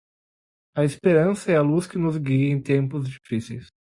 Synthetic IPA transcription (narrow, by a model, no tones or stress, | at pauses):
ɐespeɾɐ̃sɐɛɐluskɪnʊzɡiẽj̃t̪ẽmpʊzd͡ʒifisejs